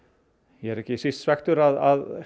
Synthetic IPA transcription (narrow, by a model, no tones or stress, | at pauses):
jɛɛɾɛhcɪsist̪svɛxt̪ʏɾaðað